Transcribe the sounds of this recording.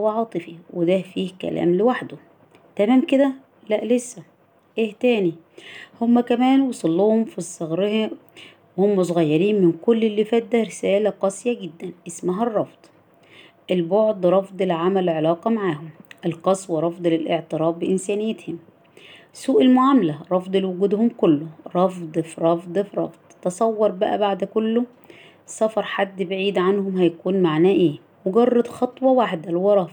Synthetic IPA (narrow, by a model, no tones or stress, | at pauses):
wæʕɑːt̪ˤɨfiwed̪æfiːhkæ̰lʔæ̰ːmlɪwaħd̪o | t̪æmæːmked̪æ | læʔlesːæ | ʔeːht̪æːni | homːækæmæːnwɑsˤɑlːohomfisˤːɑɣɾeh | wehomːæs̬ˤoɣæjːɑɾiːnmɪnkʊlːelːifæt̪̚ːæɾɪsæːlæqɑsˤjæɡɪd̪ːænʔesmæɦærˤːɑfd̪̥ˤ | ʔelboʕd̪ˤɾˤɑfd̪ˤelʕamælʕelɑːqɑmaʕaːhʊmʔelqɑsˤwɑɾˤɑfd̪ˤlɪlʔeʕt̪ɨɾɑːbːɪʔɪnsæːnɪjːet̪hem | suːʔelmoʕamlæɾˤɑfd̪ˤlwʊɡuːd̪homkʊlːʊɾˤɑfd̪ˤfiɾˤɑfd̪ˤfɾˤɑ̰fd̪̥ˤt̪ɑsˤɑwːɑɾˤbæʔæbaʕd̪kʊlːo | sɑfɑɾˤħad̪ːbɪʕiːd̪ʕanhomhæjækuːnmaʕnæːʔeː | mweɡɑrˤːɑd̪xɑt̪ˤwɑwaːħd̪ælwɑɾˤɑf